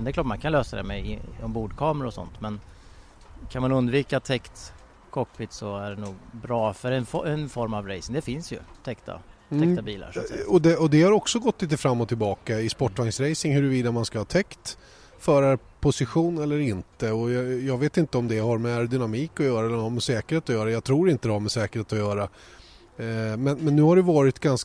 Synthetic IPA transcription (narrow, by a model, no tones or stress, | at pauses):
nd̪ɛkʰlɑːʈmankʰanløːsad̪ɛ̰mɛ̰ɔmbuːɖ̪kʰɑːmɾaɔsɔ̰nt̪mɛn | kʰanmanɵnd̪viːkat̪ʰɛkt̪ | kʰɔkːpʰɪt̪sɔæɖɛnuːɡbɾɑːfœɾɛnfɔɛnfɔɾmavɾɛjsɪŋd̪ɛfɪnsjɵ̰t̪ʰɛkt̪a̰t̪ʰɛk̪abiːla̰ɾʂɔd̪ɛɔd̪ɛhaɾɔksɔɡɔt̪ːliːt̪əfɾamːɔt̪ʰɪlbɑːkaɪspɔʈːvaŋsɾɛjsɪŋhɵɾɵviːd̪amanskahɑːt̪ʰɛkt̪ | fœːɾa | pʰʊsɪɧuːnɛlːəɾɪnt̪əɔjjɑːɡveːt̪ɪnt̪əɔmd̪ɛhaɾmɛaɾd̪ʏnamiːkɔjœːɾaɛlːəɾhaɾmɛsɛːkəɾheːt̪ɔjœːɾajɑːɡt̪ʰɾuːɾɪnt̪əd̪ɛhaɾmɛsɛːkəɾheːt̪ɔjœːɾa | mɛnmɛnːʉ̟ːhaɖɛjvɑːɾɪt̪ɡans